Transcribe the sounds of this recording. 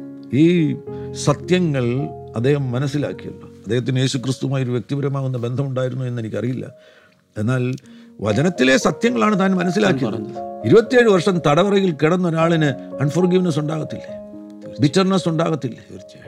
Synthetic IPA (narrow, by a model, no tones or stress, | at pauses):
iːsɐt̪jɐŋːɐɭɐd̪ʱːe̞ːhɐmːɐnɐsːila̰ːkːijṵlːuɐd̪ːeːhɐt̪ːinje̞ːɕukrɨst̪uʋumaːjoɾuʋjek̚t̪ibɐɾɐmaːɣunːɐbe̞nd̪ʱɐmuɳɖaːjiɾunːue̞nːe̞nikʲːɐrijilːɐ̰ | e̞nːaːlʋɐ̰d͡ʑɐnɐt̪ːile̞sɐt̪jɐŋːɐɭaːɳɨt̪aːnmɐnɐs̬ːilaːk̬ːijɐiɾubɐt̪ːijeːɻɨʋɐrʂɐmt̪ɐɽɐʋɐrɐjilkiɽɐnːo̞ɾaːɭinɨɐnfɐrɡiʋinɐs̬uɳɖaːɣɐt̪ːilːḛ | bitːɐrnɐsuɳɖaːɣɐt̪ːilːe